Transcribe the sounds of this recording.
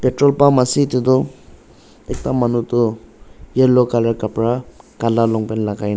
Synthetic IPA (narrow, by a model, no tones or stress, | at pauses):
petɾɔlpamasit̪ed̪ɔ | ek̚t̪amanut̪ɔ | jeɾlɔkaleɾkapɾakalalɔŋpenlakajn